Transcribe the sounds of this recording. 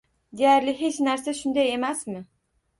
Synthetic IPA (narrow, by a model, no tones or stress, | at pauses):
d̪ejæɾlɪɦe̞t͡ʃnæɾsaʃʊnd̪aje̞mæsmɪ